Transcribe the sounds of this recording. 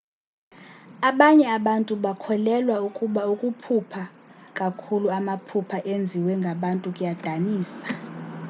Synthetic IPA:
aɓaɲɛaɓantʼuɓakʰɔlɛlwaukʼuɓaukʼupʰupʰakʼakʰuluamapʰupʰaʔend͡zʱiwɛŋɡʱaɓantʼukʼujad̥ʱaniːsḁ

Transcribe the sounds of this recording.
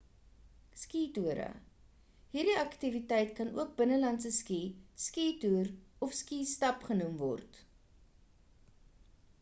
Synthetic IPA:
skiːtuəɾə̰ | ɦirdiɐktivitɛjtkɐnʔṵək̚bənəlɐnsəskiskiːtuːrɔfskiːstɐpχənumvɔ̰rt

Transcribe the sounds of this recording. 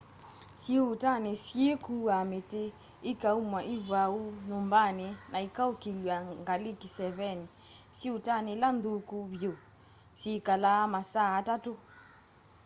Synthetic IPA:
siutanesjekuamete | ikaumwaʔiβaunombanenʔaikaukilwaŋɡalikisɛβɛni | siutanelandukuβjo | sikalamasaːtato

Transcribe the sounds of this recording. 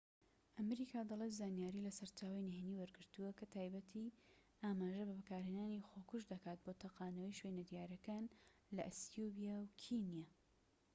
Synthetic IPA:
ʔɐmɾikʰaːd̪ɐlˠet̪zaːnijaːɾiːlɐsɐɾt͡ʃaːwajneɦeniwɐɾɡɨɾt̪uwɐkɐt̪ʰaːjbɐt̪ʰiʔaːmaːʒɐbɐbɨkaːɾheːnaːnixokuʃd̪ɐkaːt̪̚boːt̪ʰɐqaːnɐwiʃwenɐd̪jaːɾɐkaːnlɐ̰ʔsubijawkʰinijaː

